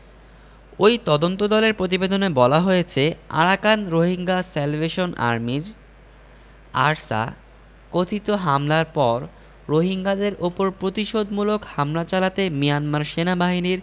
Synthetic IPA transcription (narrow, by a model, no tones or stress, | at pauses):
ojt̪ɔd̪ont̪od̪ɔleɾpɾot̪̬ibed̪onebɔlaɦojet͡ɕʰea̰ɽakanɾoɦiŋɡasɛlveʃona̰ɾmiɾ | aɾsa̰ | kot̪ʰit̪oɦamlaɾpɔɾː | oɦiŋɡad̪eɾopoɾpɾot̪iʃod̪mulokhamlat͡ɕalat̪emijanmaɾʃenabaɦiniɾ